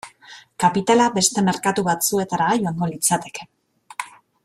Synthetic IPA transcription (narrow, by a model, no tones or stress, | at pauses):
kapit̪alabe̞st̪e̞me̞ɾkat̪uβat͡sue̞t̪aɾajoaŋɡo̞lit͡sat̪e̞̥ke̥